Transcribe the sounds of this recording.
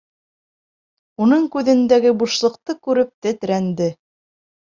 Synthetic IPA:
unɤɴkʉðɘ̆nd̪æɡɘbuʃlˠɤ̆qt̪ɤkʉɾɘp̚t̪ɘt̪ɘ̆ɾænd̪ɘ

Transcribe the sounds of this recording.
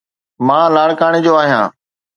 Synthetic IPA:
mãːlaːɽkaːɽ̃eːd͡ʑoːaːɦijã̰ː

